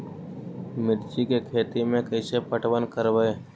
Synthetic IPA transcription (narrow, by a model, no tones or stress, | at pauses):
mɪɾt͡ʃikekʰeːt̪imẽkəɪsepəʈwənkəɾʋəeː